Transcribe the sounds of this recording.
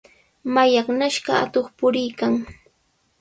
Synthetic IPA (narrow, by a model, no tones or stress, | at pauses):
majɑχnaʃɢɑa̰t̪oχpʊɾɪjkaŋ